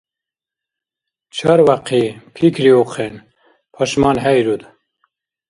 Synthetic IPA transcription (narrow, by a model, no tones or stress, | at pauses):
t͡ʃʰɐɾwaqʰipʰikʰɾiuqʰen | pʰɔʃmɑːnɦɛjɾud̪